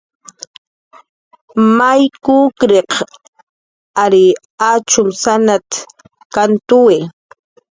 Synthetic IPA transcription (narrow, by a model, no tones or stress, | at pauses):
majkukɾeq | aɾi | at͡ʃʊmsanat̪ | kant̪uwe